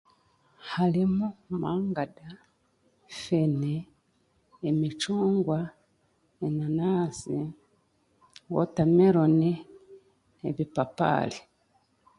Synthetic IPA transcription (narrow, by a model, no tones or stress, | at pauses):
halimumaːŋɡada | feneː | mit͡ʃuːŋɡwa | enanasi | wo̰tamiɾoni | eβipapa̰li